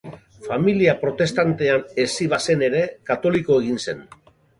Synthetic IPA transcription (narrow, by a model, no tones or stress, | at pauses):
familiapɾo̞t̪e̞st̪ant̪e̞ane̞siβ̞ase̞ne̞ɾe̞kat̪o̞liko̞e̞ɣ̞inse̞n